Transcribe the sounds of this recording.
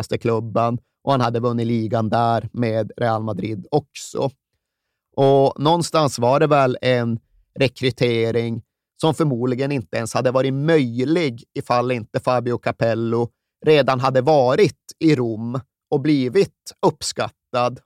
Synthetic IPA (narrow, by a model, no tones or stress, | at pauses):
st̪əkʰlɵbːən | ʔɔhanhad̪ːəvɵnːɪt̪liːɡand̪æːɾmeːd̪ɾɛːalmad̪ɾiːd̪ɔksɔ̰ | ʔɔnɔnːst̪ansvaɖɛvɛlɛn | ɾɛkʰɾɵt̪ʰeːɾɪŋ | sɔmfœɾmuːd̪lɪɡənɪnt̪əɛnshad̪ːəvɑːɾɪtmœjlɪɡɪfalːɪnt̪əfaːbɪʊkʰapʰɛlːʊ | ɾeːd̪anɦad̪ːəvɑːɾɪt̪ɪɾʊmː | ɔbliːvɪt̪ɵpːskat̪ːad̪